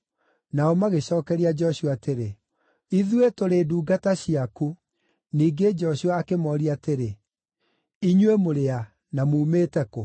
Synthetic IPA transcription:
naɔmaɣeɕɔːkɛɾiad͡ʒɛɔɕuaːteɾe | iðwetoɾeduːɡataɕiaku | niːɡed͡ʒɔɕuaːkemɔːɾiateɾe | iɲwemoɾea | namuːmeːtɛko

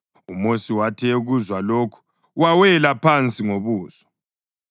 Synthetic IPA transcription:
umosiwatʰɛuɣuzwaloːkʰu̥ | wawɛlapʰant͡sʼiŋoβuːzɔ̥

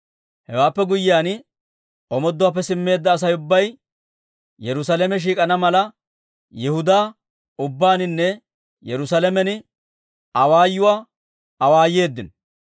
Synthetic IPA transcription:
hɛwaːpːɛɡʊjːɪaːn | ɔmɔd̪ːʊwaːp̬ːɛsɪmːe̞ːd̪ːɐːs̬ɐjʊbːɐj | jɛɾʊs̬ɐlɛmɛʃ̬iːkʼɐnɐmɐlɐ | jɛhʊd̪aː | ʊbːaːnɪnːɛ | jɛɾʊsalɛmɛnɪ | ɐwaːjːʊwaː | ɐwaːjːe̞ːd̪ːɪn

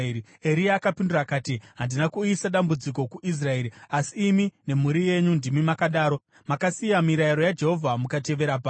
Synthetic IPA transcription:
i | eɾiaːkapindurakaːtiɦandinakuisaɗambud͡ziko̞kuʔis̬rae̞ːɾiasiːmine̞muɾije̞ɲundimimakaɗaːɾo̞ | makasijamiɾaiɾo̞jad͡ʒe̞ɦovʱamukate̞ʋe̞ɾapa

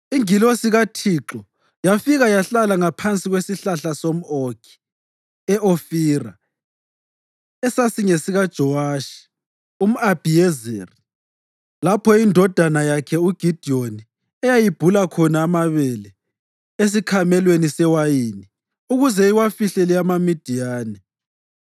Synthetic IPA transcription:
iŋilosiɣatʰiǁɔ | jafiɣajaɬalaŋapʰant͡sʼiɣwesiɬaɬasom̩okʰi̥ | ɛʔofiːra | ɛsasiŋesiɣad̥ʒ̥ʱɔwaʃi̥ | um̩ab̥ʱiɛzɛri | lapʰɔindʱɔd̥ʱanajakʰɛuɡ̥ʱid̥ʱioni | ɛjajib̥ʱulakʰɔnaːmaβɛlɛ | es̬ikʰamɛlwenisɛwajiːni | uɣuzɛiwafiɬɛlɛamamid̥ʱijaːnɛ

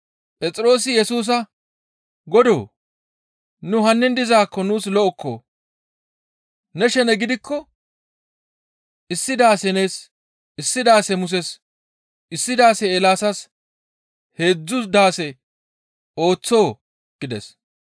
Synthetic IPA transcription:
pʼɛt͡sʼɪɾo̞ːs̬ɪjɛsuːs̬ɐ | ɡɔd̪o̞̰ː | nʊhɐnːɪnd̪ɪzaːkːɔnuːslɔʔɔkʰːo̰ː | nɛʃɛnɛɡɪd̪ɪkːɔ | ʔɪsːɪd̪aːsɛneːs | ɪsːɪd̪aːsɛmʊs̬ɛs | ʔɪsːɪd̪aːsɛːlaːsɐs | he̞ːd͡zːʊsd̪aːsɛ | o̞ːt͡sːo̞ː | ɡ̥ɪd̪ɛ̰s

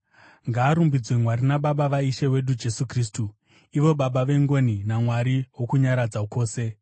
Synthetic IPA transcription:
ŋɡaːɾumbid͡zwemwaɾinaɓaɓaʋaiʃewe̞ɗud͡ʒe̞sukriːs̬tu | iʋo̞ɓaɓaʋe̞ŋɡo̞ninamwaɾiwo̞kuɲaɾad͡zako̞ːse̞

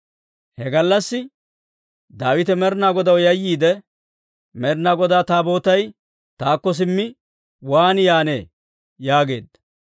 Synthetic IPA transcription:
hɛɡɐlːɐsːɪ | d̪aːwɪt̪ɛmɛɾnaːɡɔd̪ɐwjɐjːiːd̪ɛ | mɛɾnaːɡɔd̪aːt̪aːbo̞ːt̪ɐj | t̪aːkːɔs̬ɪmːɪ | waːnjaːne̞̰ː | jaːɡe̞̰ːd̪ɐ

